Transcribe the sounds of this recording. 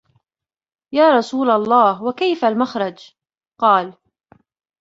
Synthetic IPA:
jaːɾˤɑsuːlalˤːɑːhwakajfalmaxɾˤɑd͡ʒ | qɑːl

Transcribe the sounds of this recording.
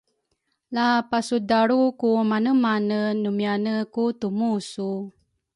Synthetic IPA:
lapasudaɾukumanəmanənumianəkutumusu

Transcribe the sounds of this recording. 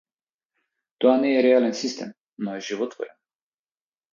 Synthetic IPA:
t̪oanɛjɛɾɛalɛnsist̪ɛ̰m | nɔjɛʒivɔt̪vɔ̰ɾʲɛ̰n

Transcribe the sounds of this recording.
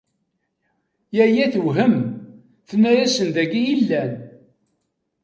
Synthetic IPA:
jæjæθwɦəm | θnːæjæsənðæɡijilːæn

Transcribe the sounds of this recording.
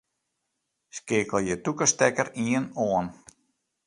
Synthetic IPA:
skɪːkəlˠjətukəstɛkəɾiənoən

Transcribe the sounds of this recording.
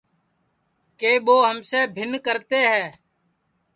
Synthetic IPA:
keːɓoːɦəmseːbʱɪnkəɾt̪eːɦɛː

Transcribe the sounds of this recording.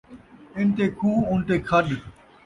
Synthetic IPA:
ɪnt̪eːkʰuːʊnt̪eːkʰəɗ

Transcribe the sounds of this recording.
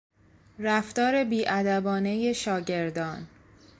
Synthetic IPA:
ræft̪ɒːɾe̞biːʔæd̪æbɒːne̞je̞ʃɒːɟe̞ɾd̪ɒːn

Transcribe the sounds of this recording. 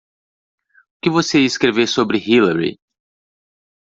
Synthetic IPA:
ʊkɪvoseɪskɾevesobɾɪhilɐɾḭ

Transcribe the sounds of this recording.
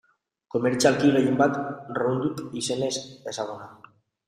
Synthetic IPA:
komeɾt͡ʃalkiɣeje̞mbat̪rond̪ukisenesesaɣ̞ona

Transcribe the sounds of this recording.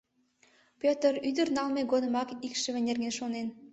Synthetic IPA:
pʲøt̪əryd̪ə̆rnɑlmeɡod̪ə̆mɑkikʃə̆βɘ̆nʲerɡenʃonen

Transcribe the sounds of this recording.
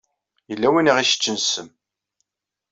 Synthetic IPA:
jəlːæwiniʁiʃə̥t͡ʃːənsəm

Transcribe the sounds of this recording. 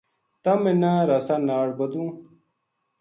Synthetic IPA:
t̪ɐmenãɾɐsanaːɽbɐd̪ũ

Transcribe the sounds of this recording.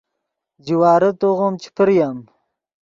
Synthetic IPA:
d͡ʒiwaːɾɐt̪oʁomt͡ʃʰi̥pʰəɾjam

